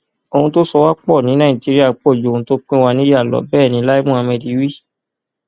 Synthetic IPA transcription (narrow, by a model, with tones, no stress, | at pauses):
o˧hũ˧to˦sɔ˧wa˦k͡pɔ˦˨nĩ˨˦nã˦ĩ˨d͡ʒi˨˦ɾi˦a˦˨k͡pɔ˦˨d͡ʒũ˧to˦k͡pĩ˦wa˧nĩ˦a˦˨lɔ̰˨˦bɛː˦˨nĩ˧˦la˦i˦mũ˦a˧mɛ̃˧di˨˦wi˦˨